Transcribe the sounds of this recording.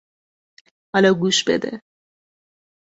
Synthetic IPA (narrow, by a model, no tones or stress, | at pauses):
hɒlɒːɡuːʃbed̪ḛ